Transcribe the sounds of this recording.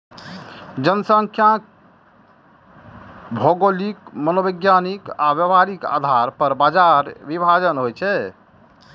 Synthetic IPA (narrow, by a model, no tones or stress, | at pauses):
d͡ʒənəsə̃ŋkʰjã | bʱoɡolikmənobəɡjanikabjəbaɾika̰d̪ʱaɾpəɾbad͡ʒaɾbibʱad͡ʒənɦojt͡ʃʰɛ